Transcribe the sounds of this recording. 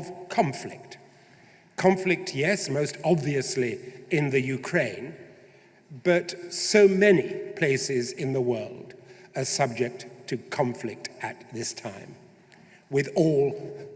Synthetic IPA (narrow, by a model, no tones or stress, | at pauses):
ʌv̥kʰɑ̃ɱflɪ̰k̚t | kʰɑ̃ɱflɨk̚tʰjɛsmoʊstɑbviɨsliɪ̃nðɨjʉkʰɹ̥ẽɪ̃n | b̥ʌtsoʊmɛnipʰl̥eɪsɪzɨ̃nðəwɜ˞lˠdə˞sʌb̚d͡ʒɨk̚tʰɨkʰɑ̃ɱflɪk̚tɨt̪̚ðɪstʰãɪ̃m | wɨðɔlˠ